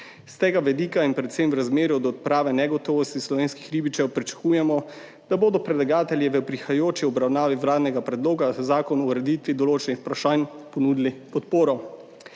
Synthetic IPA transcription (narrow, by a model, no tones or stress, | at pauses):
st̪eːɡaʋɛd̪iːkainpɾɛt̪semwɾazmeːɾuɔd̪ɔt̪̚pɾaːʋɛnɛɡɔt̪ɔːʋɔst̪islɔʋeːnskixɾiːbit͡ʃɛwpɾit͡ʃḁkuːjɛmɔ | d̪̥aboːd̪ɔpɾɛdlaɡaːt̪ɛljɛʋəpɾixajoːt͡ʃiɔbɾawnaːʋiʋlaːd̪nɛɡapɾɛd̪loːɡazaːkɔnɔɾɛd̪iːt̪ʋid̪ɔloːt͡ʃɛnixpɾaʃaːnpɔnuːd̪ilipɔt̪poːɾɔ